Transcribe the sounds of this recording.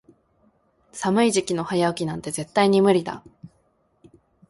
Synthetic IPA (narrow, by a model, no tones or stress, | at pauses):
samɯ̟iʑikʲino̞hajaɯ̟kʲinãnt̪e̞ze̞t̪ːaiɲ̟imɯ̟ɾʲid̪a̰